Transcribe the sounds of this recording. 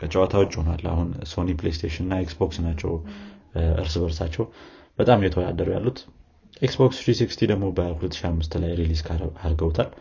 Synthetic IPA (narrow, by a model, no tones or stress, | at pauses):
kʰət͡ʃʼɛwat̪ʰawɔt͡ʃʼːhona̰lːa̰hunso̞niplejst̪ʰeʃinɨnːaeksboksɨnat͡ʃːɛw | ɨ̰ɾsɨβəɾsat͡ʃːɛwb̥ət̪ʼamjɛt̪ʰəwod̪a̰d̪ːəɾuja̰lːut̪ | ʔeksbokst̪ɾisikst̪ʰid̪əɡmo̞bəhulət̪ːʃiamːɨst̪lajɾiliskʰaɾɡəwt̪ʰal